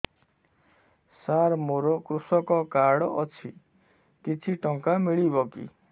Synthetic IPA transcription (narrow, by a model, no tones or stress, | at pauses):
saɾmoɾɔkɾusɔkɔkaɽɔt͡ʃʰi | kit͡ʃʰiʈɔŋkamiɭibɔkḭ